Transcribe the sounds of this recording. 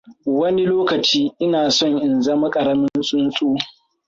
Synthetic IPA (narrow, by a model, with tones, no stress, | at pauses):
wɐ˦ni˦loː˦kɐ˨t͡ʃiː˦ʔɪ˦naː˨sɔ˦˨ŋʔɪ˨nzɐ˦ma˦kʼɐ˨ɾɐ˦mɪ˦nsʼʊ˦nsʼoː˦